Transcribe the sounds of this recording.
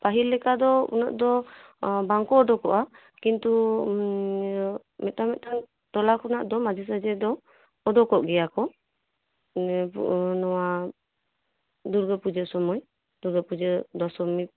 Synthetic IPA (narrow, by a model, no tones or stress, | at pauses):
paɦilːɛkad̪ɔṵna̰ʔd̪ɔ | baŋkɔːɖɔkɔʔa | kint̪u | mɛt̪̚amɛt̪an | t̪ɔlakɔnaʔd̪ɔmad͡ʒis̬ad͡ʒɛd̪ɔː | dɔkɔʔɡɛjakɔ | nɔwa | d̪uɾɡəpud͡ʒəsɔmɔj | d̪̥uɾɡəpud͡ʒəd̪ɔsɔmi